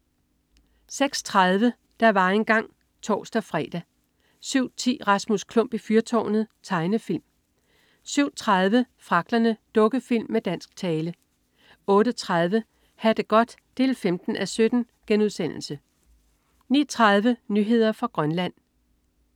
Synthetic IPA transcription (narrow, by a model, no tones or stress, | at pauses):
seɡ̥st͡sʰʁɑð̞ˠʋə | d̥ɑ̈ʋɑ̈e̝nɡ̥ɑ̈ŋ̰ | t͡sʰɒ̰ːsd̥æfʁɛ̰ːd̥æ | syʊ̰t͡sʰḭːʁɑ̈smuskʰlɔ̽m̰b̥ifyɐt͡sʰɒ̰ːnð̩ˠt͡sʰɑ̈ɪnəfil̰m | syʊ̰t͡sʰʁɑð̞ˠʋə | fʁɑ̈ɡ̥̚d̥ɐnəd̥ɔ̽ɡ̥əfil̰mːed̥æn̰sɡ̥̚t͡sʰɛːlə | ɔ̽ːɾət͡sʰʁɑð̞ˠʋə | hæd̥əɡ̥ɒ̽d̥d̥e̝ːlfemd̥n̩ʔæsød̥n̩ | ɡ̥enuðˠsen̰l̩sə | nḭːɐt͡sʰʁɑð̞ˠʋənyɦe̝ð̞̰ˠɐfʁɑ̈ɡ̥ʁɶnlæn̰